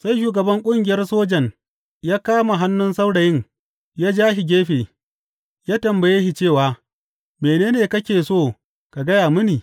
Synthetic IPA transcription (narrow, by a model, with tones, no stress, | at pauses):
sa˦jʃ̬uː˨ɡɐ˨bɐ˦ŋkʷʼʊ˦ŋɡʲɪ˨jɐ˦rsoː˦d͡ʒɐ˨ŋ | jaː˦kaː˦ma˨ɦa˦nːʊ˦nsa˦wɽa˨jɪ˦ŋ | jaː˦d͡ʒaː˦ɦi˨ɡʲeː˦ɸeː˨ | jaː˦tɐ˨mbɐ˨jeː˦hi˨t͡ʃeː˦˨waː˨˦ | meː˨neː˦neː˨kɐ˦kʲeː˨soː˦˨ | ka˨ɡɐ˦jaː˨mʊ˦niː˨